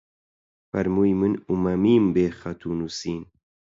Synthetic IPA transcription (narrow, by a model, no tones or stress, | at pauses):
fɐɾmuːjmɨnumɐmiːmbeːxɐt̪ʰuːnusiːn